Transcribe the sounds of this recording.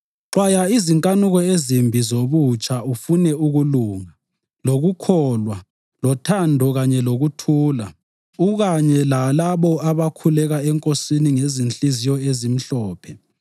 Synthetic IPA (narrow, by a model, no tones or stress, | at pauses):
ǁwajaiziŋkʼanuɣɔezimbʱizoβut͡ʃʼaufunɛuɣuluːŋa | loɣukʰɔlwa | lɔtʰandʱɔɣaɲɛloɣutʰuːla̰ | uɣaɲɛlalaβɔaβakʰulɛɣaɛŋkʼosiniŋezint͡ɬʼizijɔezim̩ɬɔːpʰɛ